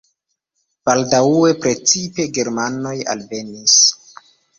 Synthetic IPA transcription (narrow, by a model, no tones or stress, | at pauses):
b̥aldaue̞pɾe̞t͡sipe̞ɡe̞ɾmano̞ja̰lve̞nis